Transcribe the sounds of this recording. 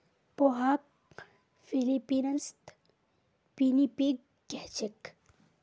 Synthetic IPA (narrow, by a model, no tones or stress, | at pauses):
poɦaːk̚ | filipinɐnst̪ | pinipiɡː | eht͡ʃɪk